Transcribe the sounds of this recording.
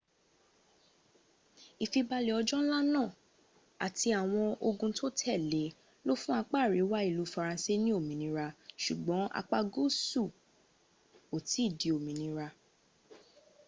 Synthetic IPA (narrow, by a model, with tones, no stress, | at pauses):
i˨fi˧ba˧le˨ɔ˧d͡ʒɔ˦n̩˦la˦nãː˦˨ | a˨ti˧a˨w̃ɔ̃˧o˧ɡũ˧to˦tʰɛ˦˨le˨˦ | lo˦fũ˦a˧k͡pa˦˨ɾi˨˦wa˦i˦˨lu˨˦fa˧ɾã˧se˦nĩ˦o˦˨mĩ˨˦nĩ˧ɾa˧ʃu˨ɡ͡bɔ̃˨˦a̰˧k͡pa˧ɡo˦su˦˨ | o˨ti˨˦i˦˨di˨˦o˨mĩ˨nĩ˧ɾa˧